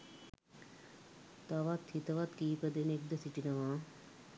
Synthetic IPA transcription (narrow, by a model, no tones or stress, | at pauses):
t̪aːʋat̪ʰːit̪ɐʋaːt̪kiːpɐd̪enek̚d̪ɐsiʈinɐʋãː